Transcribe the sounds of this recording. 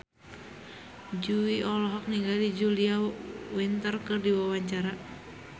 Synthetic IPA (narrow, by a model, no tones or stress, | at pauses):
d͡ʒuiɔlɔɦɔk̚niŋɡalid͡ʒuliawint̪ərkɨrdiwawaɲt͡ʃaɾa